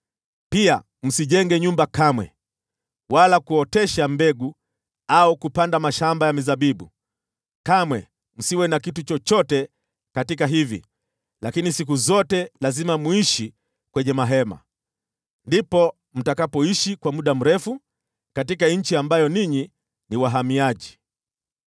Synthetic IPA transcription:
pia̰ | m̩siʄɛŋɡɛɲumbakamwɛ̰ | walakuɔtɛʃambɛɡu | aukupandamaʃambajamizaɓiɓu | kamwɛ | m̩siwɛnakitut͡ʃɔt͡ʃɔtɛ | katikaɦivḭ | lakinisik̬uzɔtɛlazimamuiʃi | kwɛɲɛmaɦɛma̰ | ndipɔ | m̩takapɔiʃikwamuɗam̩ɾɛfu | katikaɲ̩t͡ʃiambajɔniɲi | niwaɦamiaʄi

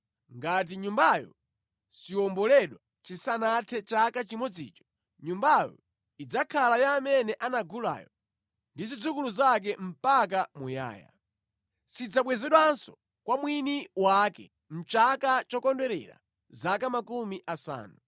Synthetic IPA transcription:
ŋɡat̬iɲumbajɔ̰ | siɔmbɔlɛɗwa | t͡ʃisanatʰɛt͡ʃakat͡ʃimɔd͡zḭːt͡ʃɔ̥ | ɲumbajɔ̰ | id͡zakʰalajaːmɛnɛʔanaɡula̰jɔ | ndizid͡zukuluzak̬ɛm̩pak̬amuja̰ːja̰ | sid͡zaɓwɛzɛɗwansɔ̥ | kwamwiniwakɛ | m̩t͡ʃakat͡ʃɔkɔndɛɾɛ̰ɾa̰ | zakamakumiʔasa̰ːnu

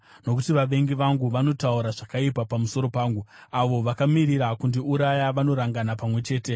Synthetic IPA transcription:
no̞kutiʋaʋe̞ŋɡiʋaŋɡuʋano̞tauɾaʐakaipapamuso̞ɾo̞paːŋɡuaʋo̞ʋakamiɾiɾakundiuɾajaʋano̞ɾaŋɡanapamwe̞t͡ʃe̞ːte̞

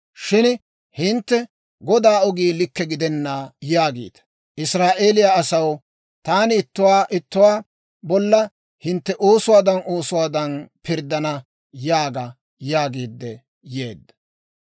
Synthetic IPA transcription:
ʃɪn | hɪnt̪ːɛ | ɡɔd̪aːɔɡiːlɪkːɛɡɪd̪ɛnːaːjaːɡḭːd̪ɐ̥ | ʔɪsɾaːʔe̞ːlɪjaɐsɐw | t̪aːnɪɪt̪ːʊwaːʔɪt̪ːʊwaː | bɔlːɐ | hɪnt̪ːɛʔo̞ːsʊwaːd̪ɐnʔo̞ːsʊwaːd̪ɐnpɪɾd̪ɐnɐ | jaːɡɐ | jaːɡiːd̪ːɛ | jeːd̪ːɐ̥

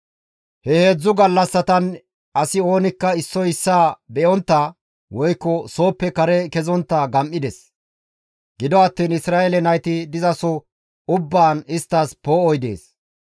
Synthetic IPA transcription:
hɛhe̞ːd͡zːʊɡɐlːɐsːɐt̪ɐn | ɐsɪo̞ːnɪkːɐɪsːɔjɪsːaːbɛʔɔnt̪ːa | wɔjkːɔso̞ːpːɛkɐɾɛkɛzɔnt̪ːɐɡɐmʔɪd̪ɛs | ɡ̥ɪd̪ɔɐt̪ːiːnɪsɾaːelɛnɐjt̪ɪd̪ɪzɐsɔ | ʊbːaːnɪst̪ːaːspoːɔjd̪ḛːs

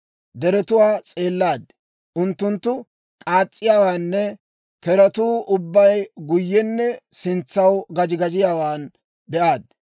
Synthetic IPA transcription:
d̪ɛɾɛt̪ʊwaːt͡sʼe̞ːlːaːd̪ | ʔʊnt̪ːʊnt̪ːʊ | kʼaːt͡sʼːɪjaːwaːnːɛ | kɛɾɐt̪uːʔʊbːɐjɡʊjːɛnːɛsɪnt͡sːɐwɡɐd͡ʒɪɡɐd͡ʒɪjaːwaːn | bɛʔaːd̪̚

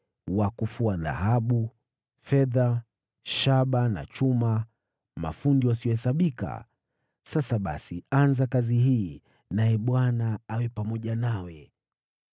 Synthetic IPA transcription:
wakufuaða̰haɓu | fɛða | ʃaɓana̰t͡ʃuma | ma̰fundiwasiɔhɛsaɓika̰ | sasaɓa̰sianzakaziɦiː | najɛɓwanaawɛpamɔʄanawɛ

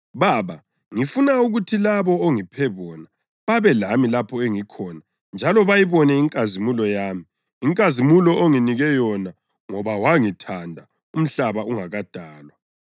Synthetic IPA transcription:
βaβa | ŋifunauɣutʰilaβɔoŋipʰɛβɔna | βaβɛlamilapʰɔeŋikʰɔːna | nd͡ʒʱalɔβajiβɔnɛiŋkʼazimulɔjaːmiː | ŋkʼazimulɔʔoŋiniɣɛjɔna | ŋɔβawaŋitʰandʱa | um̩ɬaβauŋaɣad̥ʱaːlwa

